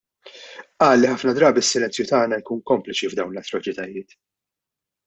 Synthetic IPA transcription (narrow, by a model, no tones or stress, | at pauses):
ʔɐːlːiħɐfnɐd̪ɾɐːbiɪsːɪlɛnt͡sjʊt̪ɐːnɐjkuːnkɔmplɪt͡ʃivd̪ɐwnlɐt̪ːɾɔt͡ʃɪt̪ɐjɪːt̪